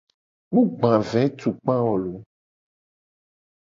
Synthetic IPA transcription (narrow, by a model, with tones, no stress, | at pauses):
mũ˦ɡ͡bã˨vɛ˨˦t̪u˨k͡pã˦wɔ˨lo˨˦